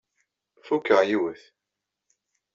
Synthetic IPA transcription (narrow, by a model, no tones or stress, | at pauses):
fukːəʁjiwəθ